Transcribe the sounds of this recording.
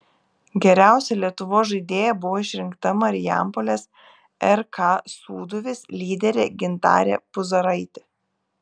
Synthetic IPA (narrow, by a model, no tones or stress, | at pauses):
ɡʲɛɾʲæˑʊsʲɛlʲiɛt̪ʊʋoːsʒɐɪd̪ʲeːjɛbʊʋoːɪʃʲɾʲɪŋkt̪ɐmɐɾʲɪjæ̰ˑmpolʲeːs | ɛɾkɑːsuːd̪ʊʋʲɪslʲiːd̪ʲɛɾʲeɡʲɪnt̪ɑ̰ːɾʲḛːpʊzɐɾɐɪt̪ʲe